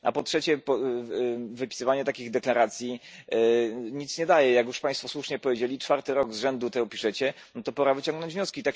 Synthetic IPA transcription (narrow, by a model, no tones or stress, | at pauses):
a̰pɔtʂɛt͡ɕɛpɔ | vɘpʲi̥sɘvaɲɛt̪akʲiɣd̪ɛklaɾat̪sʲji | ɲit̪sɲɛd̪ajɛjakjuʂpaj̃st̪fɔswuʂɲɛpɔvʲjed͡ʑelʲit͡ʂfaɾt̪ɘɾɔɡzʐɛnd̪ut̪ɛɡɔpʲiʂɛt͡ɕɛ | nt̪ɔpɔɾavɘt͡ɕɔ̃ŋɡnɔɲd͡ʑvɲɔskʲit̪ak